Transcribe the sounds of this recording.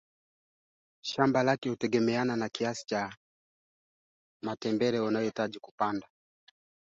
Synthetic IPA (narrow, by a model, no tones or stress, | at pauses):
ʃambalakɛhutɛɡɛmɛananakiasi̥t͡ʃa | matɛmbɛɾɛunajɔitaʄiku̥panda